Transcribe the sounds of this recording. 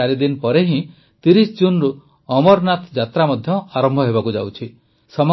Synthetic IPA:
aɾid̪inpɔɾeɦĩ | t̪iɾisd͡ʒunɾu | ɔmɔɾnat̪d͡ʒat̪ɾamɔd̪ʱjɔaɾɔmbʱɔɦeβakud͡ʒa̰wt͡ʃʰi | sɔm

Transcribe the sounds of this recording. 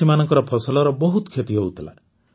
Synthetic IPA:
imanɔ̃ŋkɔɾɔpʰɔsɔlɔɾɔbɔɦut̪ɔkʰet̪iɦout̪ʰila̰

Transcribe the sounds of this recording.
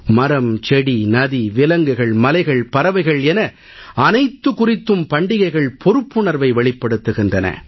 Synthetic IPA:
mɐɾɐmt͡ʃɛɽinɐðiʋɪlɐŋɡɯɣɐɭmɐlɐɪɣɐɭpɐɾɐʋɐɪɣɐɭɛnɐ | ɐnɐɪt̪ːɯkʊrɪt̪ːɯmpɐɳɖɪɣɐɪɣɐɭpʰɔɾɯpːɯɳɐɾʋɐɪʋɛɭɪpːɐɽɯt̪ːɯɣɪndrɐnɐ̰

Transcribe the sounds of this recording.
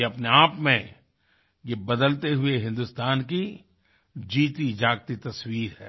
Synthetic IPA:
eɐpneaːpmẽ | jebɐd̪əlt̪eɦʊeɦɪ̃nd̪ʊst̪aːnki | d͡ʒiːt̪id͡ʒaːɡ̚t̪it̪ɐswiːɾɦɛ̰ː

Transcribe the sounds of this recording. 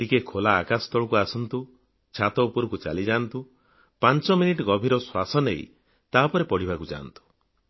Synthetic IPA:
ʈikekʰolaːkast̪ɔɭkuasɔnt̪u | t͡ʃʰat̪ɔupuɾɔkut͡ʃa̰lid͡ʒant̪u | pant͡ʃɔminiʈɔɡɔbʱiɾɔswasɔnej̰ | t̪apɔɾepɔɽ̤ibakud͡ʒa̰nt̪u̥

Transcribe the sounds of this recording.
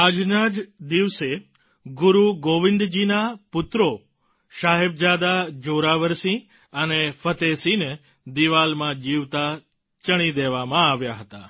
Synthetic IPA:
ad͡ʒnad͡ʒd̪iʋse | ɡʊɾuɡoʋɪ̃nd̪d͡ʒinapʊt̪ɾo | ʃaɦeb̚d͡ʒad̪ad͡ʒoɾaʋəɾsĩ | ənefʰət̪esine | d̪iʋalmãd͡ʒiʋt̪a | t͡ʃəɽ̃id̪eʋamãaʋjaɦət̪a

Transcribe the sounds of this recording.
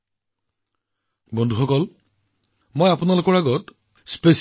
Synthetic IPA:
bɔndʱuxɔkɔl | mojapunalʊkɔɹaɡɔt | spes

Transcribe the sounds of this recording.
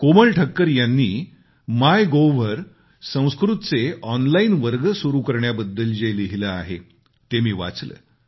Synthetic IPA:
koməɭʈʰəkːəɾjanːiː | majɡoʋəɾ | sə̃w̃skɾut̪t͡seʔɔnlainʋəɾɡəsuɾukəɾɳjabəd̪ːəld͡ʑeliɦiləaɦḛ | t̪emiːʋa̰t͡slə̰ː

